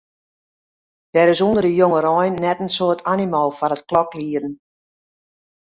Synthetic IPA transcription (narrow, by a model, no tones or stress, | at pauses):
d̥ɛɾɪsundərdəjoŋəɾɔjnːɛtənsoːtʰanimoːfɔnətklɔkliədn̩